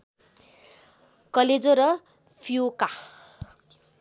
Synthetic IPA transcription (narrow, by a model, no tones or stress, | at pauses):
kʌled͡zoɾʌ | pʰioka